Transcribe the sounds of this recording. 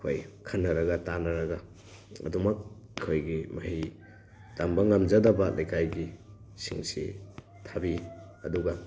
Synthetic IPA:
kʰojkʰɐnːɐɾɐɡɐtanɐɾɐɡɐ | ɐ̰dumɐk̚kʰojɡimɐhi | tambɐŋɐmd͡ʒɐdɐbɐlʔajkajɡi | sḭŋsḭ | tʰabiɐduɡɐ

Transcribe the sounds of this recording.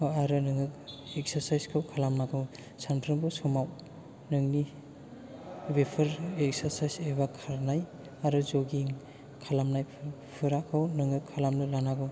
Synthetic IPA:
aɾɯnɯŋɯk̚ek̚səɾsajskʰawkʰalamnakʰɯw | sanpʰɾɯmbɯsɔmaw | nɯŋni | bepʰɯɾek̚saɾsajseβakʰaɾnaj | aɾɯzoɡiŋ | kʰalamnajpʰ | pʰɯɾakʰawnɯŋɯkʰːalamlɯlanaɡɯw

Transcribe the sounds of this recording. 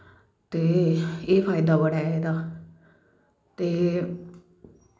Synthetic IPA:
t̪eːeːfʰaːɪd̪aːbəɽaːed̪aː | t̪eː

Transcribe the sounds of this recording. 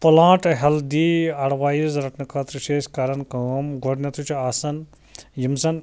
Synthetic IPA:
pulãːʈɦɐld̪iɐɽʋaːjizɾɐʈnɨkʰɐt̪ɾɨʃeːskaɾɐnkɐmɡɔɽnʲɐt̪ʰut͡ʃʰuaːsɐn | jimsɐn

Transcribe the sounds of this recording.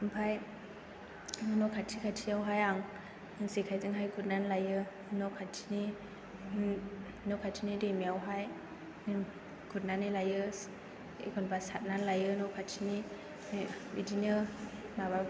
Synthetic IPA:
ɯmpʰaj | nɔkʰatʰikʰatʰiawɦajaŋ | sekʰajzɯŋɦajɡʰut̚nanlajɯ | nɔkʰatʰi̥ni | nɔkʰatʰinidemiawɦaj | ni | ɡut̚nanilajɯs | ḛɡʰɔnbasat̚nanlajɯnɔkʰatʰini | bidinəmaba

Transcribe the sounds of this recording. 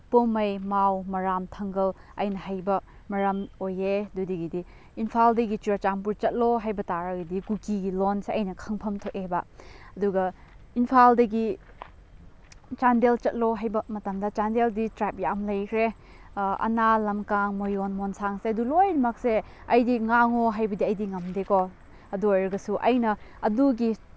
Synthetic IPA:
pomɐjmawmɐɾamtʰɐŋɡɐl | ɐ̰jnɐhajbɐ | mɐɾamojedudiɡidi | inpʰaldɐɡit͡ʃuɾat͡ʃaŋpuɾt͡ʃɐt̚loɦajbɐtaɾɐɡidikukiɡilonseɐjnɐkʰɐŋpʰɐmtʰokebɐɐduɡɐinpʰaldɐɡi | t͡ʃandelt͡ʃɐt̚loɦajbɐmɐtɐmdɐt͡ʃandelditɾap̚jamlɐjkʰɾe | ɐ̰nalɐmkaŋmojonmonsaŋseɐdulojdɐmɐk̚se | ɐjdiŋaŋoɦajbɐdiɐjdiŋɐmdekɔ | ɐduojɾɐɡɐsuʔɐjnɐɐduɡi

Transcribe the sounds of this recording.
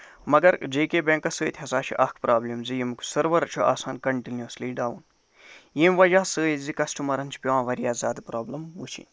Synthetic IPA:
mɐɡɐɾd͡ʒeːkeːbẽːŋkɐsəːt̪ʰʲɦɐsaːʃʰḭʔɐkʰpɾʔaːblimzijimkʰu̥sɐɾʋɐɾɐt͡ʃʰuʔa̰ːsaːnkɐɳʈinjɐsliːɖaːʋun | jimʋɐd͡ʒaːsəːzikɐsʈumɐɾɐnt͡ʃʰi̥pʲiʋãːʋɐɾijaːzʲaːd̪pɾaːblɐmʋut͡ʃʰḭnʲ

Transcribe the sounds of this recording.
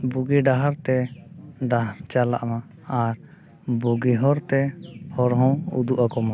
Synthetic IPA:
buɡiɖaɦaɾt̪ɛɖaɦaɾt͡ʃala̰ʔma | aɾ | buɡiɦɔɾt̪ɛhɔɾɦɔ̃ṵd̪uʔakɔma

